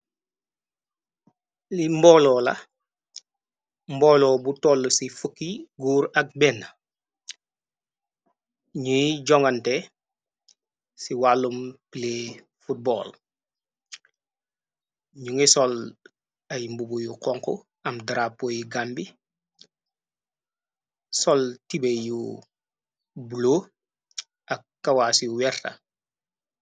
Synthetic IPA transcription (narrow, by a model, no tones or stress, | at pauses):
limbɔːlɔːlɐ̰ | mbɔːlɔːbutɔlːəsifəkːiɡuːɾɐk̚bɛnə | ɲuɟɔŋɡɐntɛ | siwalːumpile | fut̚bɔ̰ːl | ɲuŋisɔl | ɐjmbubujukɔŋkṵ | ɐmdaɾapːojiɡambi | sɔltibeju | bulo | ɐkːawasiuwɛɾtɐ̰